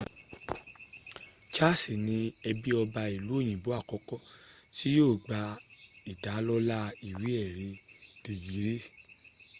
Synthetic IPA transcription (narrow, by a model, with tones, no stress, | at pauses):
t͡ʃa˦si˨nĩ˧ɛ˧bi˦ɔ˧ba˧i˨lu˨˦o˦˨j̃ĩ˨bo˨˦a˦˨kɔ˧˦kɔ˦ | ti˦joː˦˨ɡ͡ba˧ | i˨da˨˦lɔ˦la˦i˨wi˨˦ɛ˦˨ɾe˧˦ | d̥i˨ɡi˨˦ɾe˦